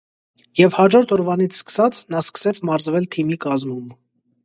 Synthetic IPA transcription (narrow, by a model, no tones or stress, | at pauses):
jɛvhɑd͡ʒɔɾt̪ʰɔɾvɑnit͡sʰskə̥sɑt͡sʰnɑskə̥sɛt͡sʰmɑɾzvɛlt̪ʰimikɑzmum